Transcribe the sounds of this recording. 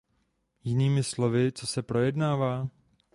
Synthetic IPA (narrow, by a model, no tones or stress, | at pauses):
jɪniːmɪslo̞vɪt͡so̞sɛpɾo̞jɛdnaːvaː